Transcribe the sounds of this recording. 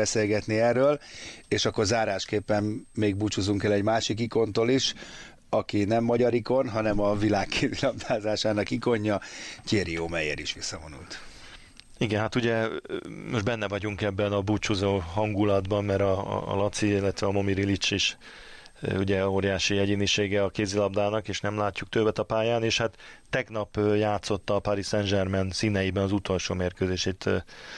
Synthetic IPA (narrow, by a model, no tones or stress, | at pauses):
ɛseːlɡɛt̪niɛrøːleːʃɒkːo̞rzaːɾaːʃkeːpːɛmːeːɡ̚but͡ʃuzuŋkɛlɛɟmaːʃik̬iko̞nt̪oːliʃ | ɒkinɛmːɒɟɒɾiko̞nɦɒnɛmɒvilaːkkʰeːvilɒmt̪ʰaːzaːʃaːnɒkiko̞ɲːɒceːɾioːmɛjḛɾiʃʋisːɒvo̞nṵlt̪ | iɡɛnɦat̪uɟɛ | moʒdbɛnːɛvɒɟuŋkɛbːɛnɒbut͡ʃuzoːɦɒŋɡulɒd̪bɒnmɛɾɒ̰lɒt̪siilːɛt̪ʋɛɒmo̞miɾilit͡ʃiʃ | uɟɛoːɾjaːʃijɛɟiniʃeːɡɛɒkeːzilɒb̚d̪aːnɒkeːʃnɛmlaːcːuk̚t̪øbɛt̪ɒpaːjaːneːʃhat̪ːɛɡnɒpjaːt̪so̞t̪ːɒːpaɾisɛnʒɛrmɛnsiːnɛjibɛnɒzut̪o̞lʃo̰ːmeːrkøːzeːʃeːt̪